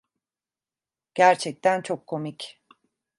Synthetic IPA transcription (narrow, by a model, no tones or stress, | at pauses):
ɟ̥æɾt͡ʃʰɛc̚t̪ʰænt͡ʃʰo̞kʰːo̞mic